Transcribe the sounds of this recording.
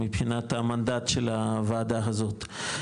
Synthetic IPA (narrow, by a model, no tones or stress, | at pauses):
mipχinat̪hamand̪at̪ʃelavaːd̪aɦazo̞t̪